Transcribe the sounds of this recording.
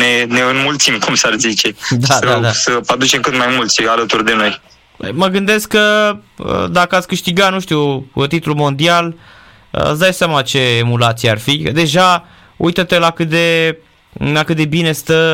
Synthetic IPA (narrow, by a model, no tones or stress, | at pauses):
neneɨnmult̪simkumsəarzit͡ʃe̞d̪adəad̪asəpad̪ut͡ʃeɨŋkɨt̪majmult̪sʲalət̪urd̪e̞no̞j̰ | məɡɨnd̪e̞skkːəə̰d̪akəat̪sʲkɨʃt̪iɡat̪nuʃt̪iuət̪it̪lumo̞nd̪ial | ə̰t̪sd̪ajsjamat͡ʃe̞ːmulat̪sijea̰rfid̪e̞ʒa | ṵjt̪ət̪e̞lakɨt̪̚d̪e̞ | akɨt̪d̪e̞bine̞st̪ə